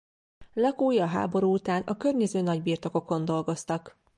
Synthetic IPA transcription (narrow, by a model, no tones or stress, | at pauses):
lɒkuːjɒɦa̰ːbo̞ɾuːut̪aːnɒkø̞rɲɛzøːnɒɟbiːrt̪o̞ko̞ko̞nd̪o̞lɡo̞st̪ɒk